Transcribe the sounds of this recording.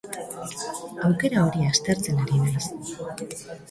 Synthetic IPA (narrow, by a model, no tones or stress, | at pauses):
awke̞ɾao̞ɾiast̪e̞ɾt͡se̞naɾinas